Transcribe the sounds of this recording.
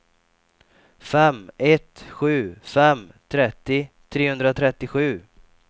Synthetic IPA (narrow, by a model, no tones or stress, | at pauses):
fɛmɛt̪ɧʉ̟ːfɛmt̪ʰɾɛt̪ːɪt̪ʰɾeːhɵnd̪ɾat̪ʰɾɛt̪ːɪɧʉ̟ː